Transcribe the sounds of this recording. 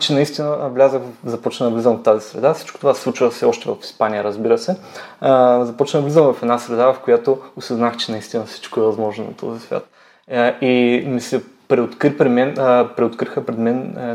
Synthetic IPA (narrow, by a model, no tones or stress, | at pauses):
t͡ʃɛnɐist̪inəvlʲazəxzɐpɔt͡ʃnənɐvlizɐmvɐft̪ːazisɾɛ̰d̪afsi̥t͡ʃko̥t̪ovaslˠut͡ʃvəfsɛɔʃt̪ɛvɐfi̥spanijəɾɐzbiɾəsɛ | zɐpɔt͡ʃnəd̪ɐvlizəmvɐfɛd̪nasɾɛd̪avɐfkojat̪oʊsɛznaxt͡ʃɛnɐist̪inəfsi̥t͡ʃkoɛvɐzmɔʒnonɐ̰t̪ʰɔ̰zisvʲja̰t̪̚ | imisɛpɾɛot̪kɾipɾɛd̪mɛnpɾɛot̪kɾixəpɾɛd̪mɛn